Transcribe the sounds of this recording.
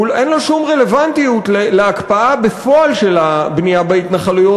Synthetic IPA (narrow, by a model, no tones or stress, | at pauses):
ulʔenloʃumʁe̞le̞vant̪ijutleleakpaabefo̞alʃe̞labnijabeit̪naχalujo